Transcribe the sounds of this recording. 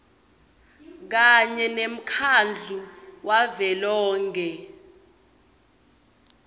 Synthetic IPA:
k̬aɲɛnem̩kʰand͡ɮʱuwavɛlɔːŋɡɛ

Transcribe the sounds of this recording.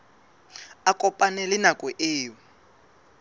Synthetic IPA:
akʼɔpʼanɛlɪnakʼɛʔeːwɔ

